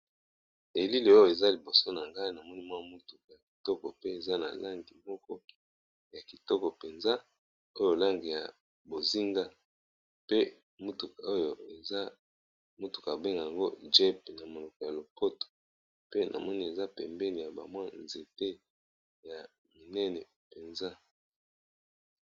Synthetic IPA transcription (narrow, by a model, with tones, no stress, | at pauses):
e˨li˦li˨o˦jo˨e˨za˦li˨bo˨so˦na˨ŋɡa˦i˦na˨mɔ˦ni˦mwa˦mu˦tu˨ka˨ja˨ki̥˨tɔ˦kɔ˨pe˦e˨za˦na̰˨la˦ŋɡi˨mɔ˦kɔ˦ | ja˨ki˨tɔ˦kɔ˨pe˨nza˦ | o˦jo˨la˦ŋɡi˨ja˨ | bo˨zi˦ŋɡa˦ | pe˦ | mu˦tu˨ka˨o˦jo˨e˨za˦ | mo˦tu̥˨ka˨be˦ŋɡa˨a˨ŋɡo˦d͡ʒɛ˦p̚na˨mo˨lɔ˨kɔ˨ja˨lo˨po˦to̥˨ | pe˦nʔa̰˨mɔ˦ni˦e˨za˦pɛ˨mbɛ˦ni˨ja˨ba̰˨mwa˦nze˨te˦ | ja˨ | mi˨nɛ˦nɛ˨ | pe˨nza˦